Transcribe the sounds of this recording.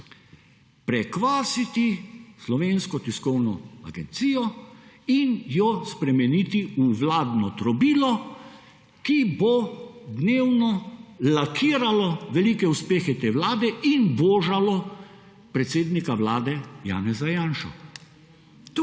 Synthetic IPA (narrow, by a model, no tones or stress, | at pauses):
pɾɛkʋaːsit̪islɔʋeːnskɔt̪iskɔwnɔ̰a̰ɡɛnt̪siːjɔinjɔspɾɛmɛniːt̪iuʋlaːd̪nɔt̪ɾɔbiːlɔ | kibɔd̪neːwnɔlakʰiːɾalɔʋɛlikɛuspeːxɛt̪eːʋlaːd̪ɛʔinboːʒalɔ | pɾɛt̪seːd̪nikawlaːd̪ɛja̰ːnɛzajaːnʃɔ̰